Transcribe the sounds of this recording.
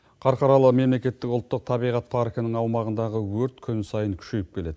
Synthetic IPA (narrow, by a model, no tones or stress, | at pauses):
qʰɑɾqɑɾɑlˠəme̞mlekʲe̞t̪ːɪkʊlˠt̪ːəq̚t̪ʰɑbijʁɑt̪̚pʰɑɾkʲnɪŋɑwmɑʁənd̪ɑʁəwɵɾt̪kʲʰʏnsɑjəŋkʲʰʏ̥ʃe̞jɪp̚kʲʰe̞le̞d̪ɪ